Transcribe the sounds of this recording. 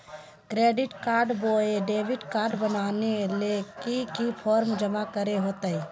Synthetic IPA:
kɾeːɖɪʈkaːɾɖboːeɖeːʋɪʈkaːɾɖbənaːnelekikipʰɔːɾmd͡ʒəmakəɾeɦoːt̪aiː

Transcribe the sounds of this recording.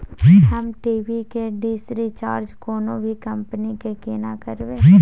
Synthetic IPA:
d͡ʒɦɐmʈiːbikeɖiːsɾit͡ʃaːɾd͡ʒkoːnõbʱikɐ̃mpənikekeːnakɐɾbẽː

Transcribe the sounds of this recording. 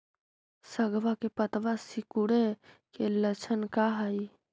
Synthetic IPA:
səɡʋakepət̪ʋasikuɽekelət͡ʃʰənkaɦəj

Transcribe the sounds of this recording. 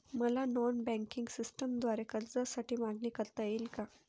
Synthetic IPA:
məlanɔnbɛ̃ŋkiŋɡsisʈəmd̪ʋaɾekəɾd͡zasaʈiːmaɡniːkəɾt̪əjelka

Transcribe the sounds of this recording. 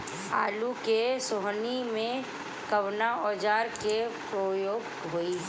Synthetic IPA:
a̰ːlukesoɦnimẽ | kəʋnaɔːd͡ʒaːɾkepɾoːjoːɡ | ɦoi

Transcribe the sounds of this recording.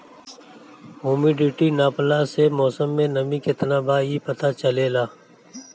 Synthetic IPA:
ɦoːmiɖiʈinaːplaːsemɔːsəmːẽnɐmĩkɪt̪naːbaːipɐt̪aːt͡ʃəleːlaː

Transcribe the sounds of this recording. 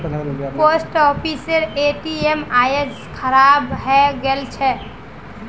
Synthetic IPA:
posʈɔpʰiseɾeʈiemajes | kʰəɾabɦɛɡelt͡ʃʰɛ

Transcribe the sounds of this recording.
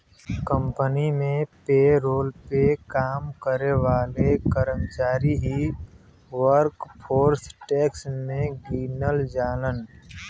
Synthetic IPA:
kə̃mpənimẽpeːɾoːlpekaːmkəɾeʋaːlekəɾəmt͡ʃaːɾiɦi | ʋəɾkpʰoːɾsʈɛːksmẽɡiːnəld͡ʒaːlən

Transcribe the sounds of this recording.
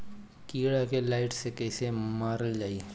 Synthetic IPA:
kiːɽakelaːɪʈsekɛːsemaːɾəld͡ʒaːie

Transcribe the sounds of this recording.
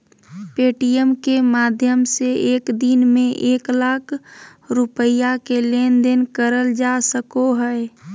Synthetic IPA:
peːʈijəmkemaːd̪ʱjəmseeːkd̪inmẽʔeːklaːkʰ | ɾʊpəjakeleːnd̪enkəɾəld͡ʒasəkoɦɛe

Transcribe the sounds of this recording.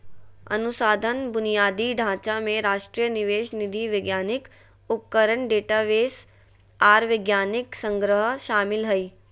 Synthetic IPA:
ɐ̰nusaːd̪ʱənbʊnijaːd̪iɖʱãːt͡ʃamẽɾaːʃʈɾijəniʋeːʃnid̪ʱiːʋɪɡjaːnɪk | ʊp̚kəɾəɳɖeːʈaːʋeːs | aːɾʋɪɡjaːnɪksə̃ŋɡɾəɦəʃaːmɪlɦəiː

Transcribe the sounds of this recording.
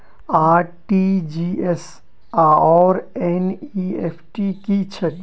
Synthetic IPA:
aːʈid͡ʒies | aːɔːɾɛnieːpʰʈikit͡ʃʰə

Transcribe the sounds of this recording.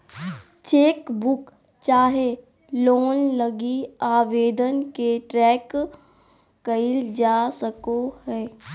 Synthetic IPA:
t͡ʃeːkbʊk | t͡ʃaːɦe | loːnləɡiaːʋeːd̪ənkeʈɾɛːk | ɐɪld͡ʒaːsəkohɛː

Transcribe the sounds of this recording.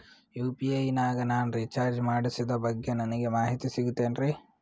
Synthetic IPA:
juːpiɐjnaːɡɐnaːnɾiːt͡ʃaːɾd͡ʒmaːɽisid̪ɐbɐɡːe̞nɐnɐɡe̞maːɦit̪isiɡut̪ːe̞ːnɾi

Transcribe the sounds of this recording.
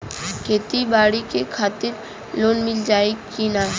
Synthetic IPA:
kʰeːt̪ibaːɽikekʰaːt̪ɪɾ | loːnmɪld͡ʒaːekina

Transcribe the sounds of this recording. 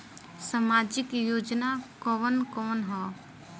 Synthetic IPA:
səmaːd͡ʒɪkjoːd͡ʒnakɔʋənkɔːnɦɔː

